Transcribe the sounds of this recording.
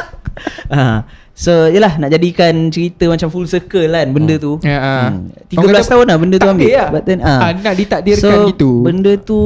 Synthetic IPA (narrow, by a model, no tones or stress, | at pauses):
a | sojəlahnaʔd͡ʒadikant͡ʃəɾit̪əmat͡ʃamfulsəkəlanbəndət̪uaəmt̪iɡəblast̪aɦunlahbəndət̪uɦambɪbat̪̚d̪ɛnənaʔdit̪aʔdirksoait̪ubəndət̪u